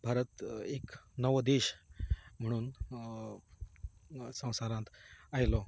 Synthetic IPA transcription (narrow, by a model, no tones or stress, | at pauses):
bʱaɾət̪eknəʋəd̪eɕ | m̤əɽ̃uːn | sə̃w̃saɾãnt̪ajlɔ